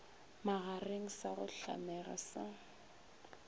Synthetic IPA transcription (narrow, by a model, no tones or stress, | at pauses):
maɣareŋ̩saɣʊɬa̰mɛɣa̰sa